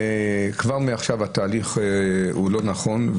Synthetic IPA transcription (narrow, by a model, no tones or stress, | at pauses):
kvaʁmeaχʃavat̪aːliχulo̞naχo̞n